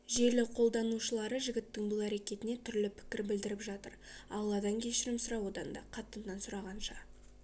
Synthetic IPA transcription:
ʒe̞ɾlɪqʰo̞lˠd̪ɑnuʃəlˠɑɾəʒɪɡʲɪt̪ːɪŋbʊlˠæɾekʲe̞t̪ɪne̞t̪ʰʏɾlɪpʰɪ̥kʲɪɾbɪld̪ɪɾɪpʒɑt̪ə̰ɾɑ̰llˠːɑd̪ɑŋkʲʰe̞ʃɪɾɪmsʊɾɑwo̞d̪ɑnd̪ɑ̰qʰɑt̪ːənːɑnsʊɾɑʁɑnʃɑ

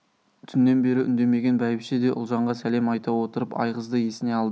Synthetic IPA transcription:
t̪ʰʏnːe̞nbe̞ɾɪʔʏ̰nd̪e̞me̞ɡʲe̞nbæjɪpʃed̪e̞ʔʊ̰lˠʒɑɴʁɑsælemɑjt̪ɑwo̞t̪əɾəpɑ̰jʁəzd̪əje̞sɪne̞ɑlˠd̪ə

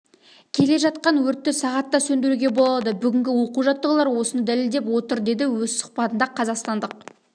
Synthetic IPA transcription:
kʲʰe̞le̞ʒɑt̪̚qɑnwɵɾt̪ːɪsɑʁɑt̪ːɑsɵnd̪eɾuɡʲe̞bo̞lˠɑd̪əbʏɡʲɪŋɡʲɪwo̞quʒɑt̪ːəʁəlˠɑɾwo̞sənəd̪æleld̪e̞pwo̞t̪əɾd̪e̞d̪ɪwɵzsʊ̥χpɑt̪ənd̪ɑqʰɑzɑqst̪ɑnd̪əq̚

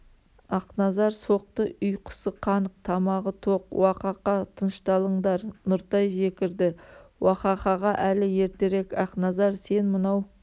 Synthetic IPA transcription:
ɑqnɑzɑɾso̞q̚t̪əʊjqʰə̥səqʰɑnəq̚t̪ʰɑmɑʁət̪ʰo̞qwɑqɑqɑt̪ʰənʃt̪ɑlˠəɴd̪ɑɾnʊɾt̪ɑjʒe̞kʲɪɾd̪ɪwɑqɑqɑʁɑʔælɪje̞ɾt̪e̞ɾe̞kɑqnɑzɑɾse̞nmənɑw

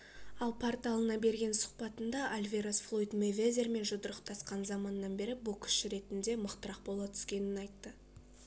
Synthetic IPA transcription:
ɑlˠpʰort̪alˠənɑbe̞ɾɡʲe̞nsʊ̥qpɑt̪ənd̪ɑʔalʲvʲeɾosflˠo̞jt̪mevʲezʲe̞rme̞nʒʊd̪əɾəqt̪ʰɑsqɑnzɑmɑnːɑnbe̞ɾɪbʊlˠkʲʰʏ̥ʃɪɾe̞t̪ɪnd̪e̞məqt̪əɾɑq̚bo̞lˠɑt̪ʰʏ̥skʲe̞nɪnɑjt̪ːə

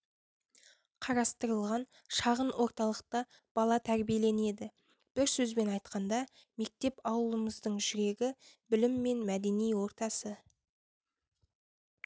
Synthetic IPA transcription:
qʰɑɾɑst̪əɾəlˠʁɑn | ʃɑʁənwʔo̞ɾt̪ɑlˠəq̚t̪ə | b̥ɑlˠɑt̪ʰæɾbijele̞ne̞d̪ɪ | b̥ɪɾsɵzbe̞nɑjt̪̚qɑnd̪ɑ | me̞k̚t̪e̞pɑwəlˠəməzd̪əɴʒʏɾe̞ɡʲɪbɪlɪmːe̞nmæd̪e̞nijwo̞ɾt̪ɑsə

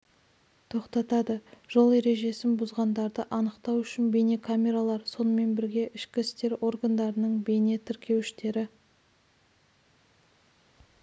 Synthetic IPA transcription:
t̪ʰo̞qt̪ɑt̪ɑd̪əʒ̥o̞lˠe̞ɾe̞ʒe̞sɪnbʊzʁɑnd̪ɑɾd̪əʔɑnəqt̪ɑwʏʃɪnbe̞ne̞kʰamʲe̞ɾalˠɑɾso̞nəme̞nbɪɾɡʲe̞ʔɪʃkʲɪɪst̪e̞ɾo̞rɡand̪ɑɾənəɴbe̞ne̞t̪ʰɪɾkʲe̞wɪʃt̪e̞ɾɪ

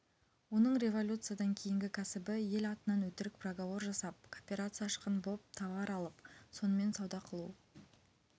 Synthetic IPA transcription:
wo̞nəɴɾʲe̞vo̞lʲut̪sɨjad̪ɑŋkʲʰe̞jɪŋɡʲɪkʲʰæsɪbɪje̞lɑt̪ənɑnwɵt̪ɪɾɪk̚pʰroɡavo̞ɾʒɑsɑp̚kʰopʲeɾat̪sɨjɑʃə̥qənbop̚t̪ʰɑvɑɾɑlˠəpso̞nəme̞nsɑwd̪ɑqʰəlˠu

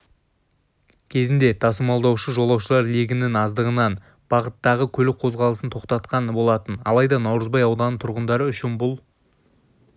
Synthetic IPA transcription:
kʲʰe̞zɪnd̪e̞t̪ʰɑsəmɑlˠd̪ɑwʃəʒo̞lˠɑwʃəlˠɑɾleɡʲɪnɪŋɑzd̪əʁənɑn | b̥ɑʁət̪ːɑʁəkʲʰɵlɪk̚qʰo̞zʁɑlˠəsənt̪ʰo̞qt̪ɑt̪qɑnbo̞lˠɑt̪ənɑ̰lˠɑjd̪ɑnɑwɾəzbɑjɑwd̪ɑnət̪ʰʊɾʁənd̪ɑɾəʏʃɪnbʊlˠ

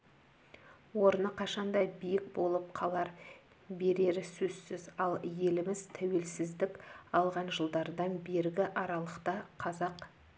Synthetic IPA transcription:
wo̞ɾənəqʰɑʃɑnd̪ɑjbijɪk̚bo̞lˠəp̚qʰɑlˠɑɾ | be̞ɾe̞ɾɪsɵz̥sɪzɑlˠje̞lɪmɪzt̪ʰæwe̞lsɪzd̪ɪkɑlˠʁɑnʒəlˠd̪ɑɾd̪ɑnbe̞ɾɡʲɪʔɑɾɑlˠəqt̪ɑqʰɑzɑq

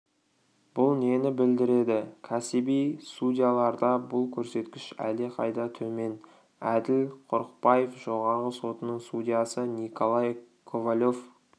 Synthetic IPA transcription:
b̥ʊlˠne̞nɪbɪld̪ɪɾe̞d̪ɪkʲʰæsibijst̪ud̪ʲijalˠɑɾd̪ɑbʊlˠkʲʰɵɾse̞t̪kʲɪʃæ̰leqʰɑjd̪ɑt̪ʰɵme̞n | æd̪ɪlqʰʊɾəq̚pɑje̞fʒo̞ʁɑɾʁəso̞t̪ənəɴst̪udʲijasənikʰo̞lˠɑj | kʰovalʲo̞f

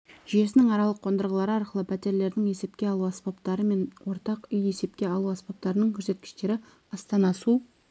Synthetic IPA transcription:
ʒije̞sɪnɪŋɑɾɑlˠəqʰːo̞nd̪əɾʁəlˠɑɾəɑɾqəlˠəpʲʰæt̪e̞ɾle̞ɾd̪ɪŋe̞se̞p̚kʲe̞ɑlˠuɑspapt̪ɑɾəme̞nwo̞ɾt̪ɑqʏje̞se̞pkʲe̞ɑlˠuɑspap̚t̪ɑɾənəŋkʲʰɵɾse̞t̪̚kʲɪ̥ʃt̪e̞ɾɪ | ɑst̪ɑnɑsu

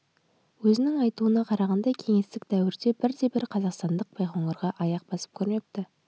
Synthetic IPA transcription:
wɵzɪnɪŋɑjt̪uənɑqʰɑɾɑʁɑnd̪ɑkʲʰe̞ŋe̞st̪ɪk̚d̪æwɪɾd̪e̞bɪɾd̪e̞bɪɾqʰɑzɑqst̪ɑnd̪əq̚b̥ʰɑjχoɴəɾʁɑʔɑjɑq̚bɑsə̥p̚kʲʰɵɾmep̚t̪ɪ

